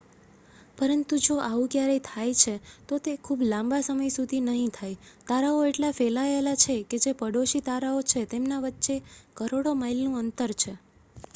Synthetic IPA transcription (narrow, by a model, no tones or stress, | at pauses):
pəɾənt̪ũd͡ʒoʔaũkjaɾejt̪ʰajt͡ʃʰet̪ot̪ekʰublãmbasəməjsud̪ʱinəɦĩt̪ʰajt̪aɾaoeʈlafelaelat͡ʃʰeked͡ʒepəɽoʃit̪aɾaot͡ʃʰet̪emnaʋətːʃekəɾoɽomailnũənt̪əɾt͡ʃʰe